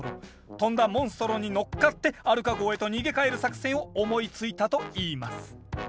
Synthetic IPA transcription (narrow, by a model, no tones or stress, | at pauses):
ɾo̰ | t̪õ̞nd̪amõ̞ɰ̃sɨ̥t̪o̞ɾo̞ɲ̟ino̞kːat̪ːe̞aɾɯ̟kaɡo̞ːe̞t̪o̞ɲ̟iɡe̞kae̞ɾɯ̟sakɯ̟̥sẽ̞ɰ̃oomo̞it͡sɨit̪at̪o̞iːmasɨ̥